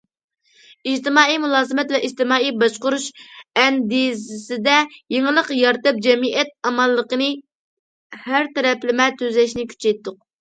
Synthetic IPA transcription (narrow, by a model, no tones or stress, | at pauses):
id͡ʒt̪ɨmɑːijmulˠɑːzɨmɛt̪vɛʔid͡ʒt̪ɨmɑːijbɑʃqʊɾuʃɛnd̪izɪsɪd̪ɛjeŋɨlˠəqjɑɾt̪ɨp̚d͡ʒɛmiʔɛt̪̚ɑmɑlˠːəqənɨ | hæɾt̪ɛɾɛplɪmɛt̪ʰøzlɛʃnɪkʲʰy̥t͡ʃɛjt̪ʰːʊq̚